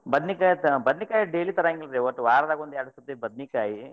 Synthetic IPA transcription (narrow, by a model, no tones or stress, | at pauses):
bɐd̪nikaːjit̪bɐd̪nikaːjiɖeːlit̪ɐɾaːŋɡilɾeʋɐʈʋaːɾɐɾaːɡond̪aːɽisɐt̪ːebɐd̪̚nikaːji